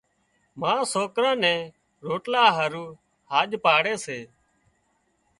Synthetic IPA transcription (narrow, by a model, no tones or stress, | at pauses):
mãːsoːkɾãːnɛ̃ː | ɾoːʈlaːɦaːɾuː | haːʄpaːɽeːseː